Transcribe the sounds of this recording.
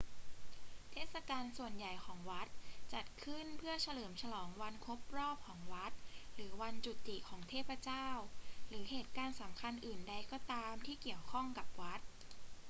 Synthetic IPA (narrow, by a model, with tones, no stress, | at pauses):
t̪ʰeː˥˩t̪̚sa˧kaː˧nsu˨˩ənja˨˩jkʰɔː˩˦ŋwa˦˥t̪̚t͡ɕa˨˩t̪̚kʰɯ˥˩npʰɯ˥˩ɐt͡ɕʰa˧lɤː˩˦mt͡ɕʰa˧lɔː˩˦ŋwa˧nkʰo˦˥p̚ɾɔː˥˩p̚kʰɔː˩˦ŋwa˦˥t̪̚ɾɯː˩˦wa˧nt͡ɕu˨˩t̪ːi˨˩kʰɔː˩˦ŋt̪ʰeː˥˩pɾa˧t͡ɕaː˥˩wɾɯː˩˦heː˨˩t̪̚kaː˧nsa˩˦mkʰa˧nʔɯː˨˩nda˧jkɔː˥˩t̪aː˧mt̪ʰiː˥˩ki˨˩əwkʰɔ˥˩ŋka˨˩p̚wa˦˥t̪̚